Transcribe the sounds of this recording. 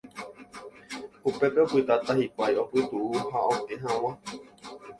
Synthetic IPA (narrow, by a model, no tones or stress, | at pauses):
hupepeopɨt̪at̪aɦikʷaiopɨt̪uuhaõt̪eɦãw̃ã